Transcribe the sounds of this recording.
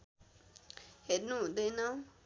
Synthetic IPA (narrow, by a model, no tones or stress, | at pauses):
hednũd̪enã